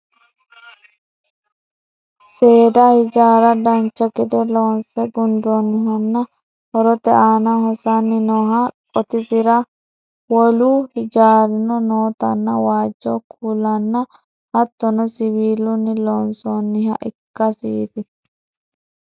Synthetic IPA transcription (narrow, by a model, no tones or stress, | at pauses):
se̞ːd̪ɐhɪd͡ʒaːɾɐd̪ɐnt͡ʃːɐkɪd̪ɛloːnsɛɡʊnd̪ɔnːɪɦɐnːɐ | hɔɾɔt̪ɛʔaːnahɔsanːɪnɔːɦɐkʼɔt̪ɪsɪɾɐ | wɔluːhɪd͡ʒaːɾɪnɔnoːt̪ɐnːɐwaːd͡ʒːɔkʰuːlɐnːɐ | hɐt̪ːɔnɔsɪβiːlʊnːɪloːnsonːɪhɐ̰ʔɪ̰kːɐsiːd̪ɪ